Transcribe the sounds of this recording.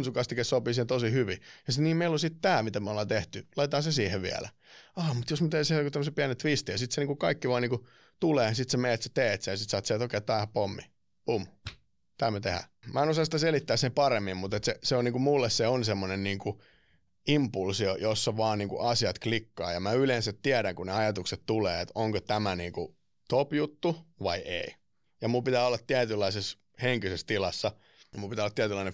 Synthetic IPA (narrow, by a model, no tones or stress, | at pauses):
nsukɑst̪ikessopiːsiːhent̪osihyʋijɑsit̪niːmeilosit̪t̪æːmit̪æmæolːeːt̪eht̪ylɑit̪ɑːsesiːheʋḭæ̰læ̰ | ɑːmut̪josmæt̪eːsihkut̪æmːosepiænet̪ʋist̪ijɑsit̪seniːŋkukɑikːiʋɑːniːŋku | t̪uleːsit̪semeːt̪se̥t̪eːt̪sejɑsit̪sɑːt̪seːt̪okeːˑt̪ːɑːhɑpomːḭ | pum | t̪æːmøt̪ehæ̰mæenosɑsi̥t̪æselit̪ːæːsepɑremːimmut̪et̪seseoniːkumulːesseonsemːonenniːŋku | impulsiojosːɑʋɑːnniːŋkṵʔɑsiɑt̪klikːɑːjɑmæylensæt̪t̪iæɾæŋkuneɑjɑt̪ukset̪t̪uleːet̪oŋkot̪æmæniːŋku | t̪opjut̪ːuʋɑiʔḛi | jɑmumpit̪æːolːɑt̪t̪iæt̪ylːɑises | heŋkysest̪ilɑsːɑ | jmulpit̪æolːɑt̪iæt̪ylɑine